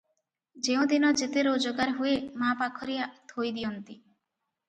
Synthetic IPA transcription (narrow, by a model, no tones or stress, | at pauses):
d͡ʒeũd̪inɔd͡ʒet̪eɾod͡ʒoɡaɾɦuemapakʰɔɾijat̪ʰojd̪iɔnt̪i